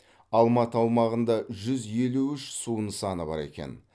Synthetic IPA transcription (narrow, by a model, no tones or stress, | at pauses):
ɑlˠmɑt̪əɑwˠmɑʁənd̪ɑʒʏzje̞luʏʃsuənsɑnəbɑ̰ɾe̞kʲe̞̰n